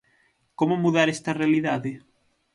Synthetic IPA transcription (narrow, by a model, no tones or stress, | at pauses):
komomuðaɾest̪ɐrealiðaðe